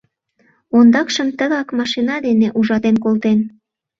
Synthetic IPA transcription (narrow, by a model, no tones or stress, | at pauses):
ond̪ɑkʃə̆mt̪əɣɑkmɑʃinɑd̪eneʔuʒɑt̪enkolt̪en